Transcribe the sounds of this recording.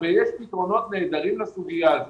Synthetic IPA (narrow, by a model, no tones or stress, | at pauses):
vejɛʃpit̪ʁo̞no̞t̪ne̞ːd̪aʁimlesuɡijal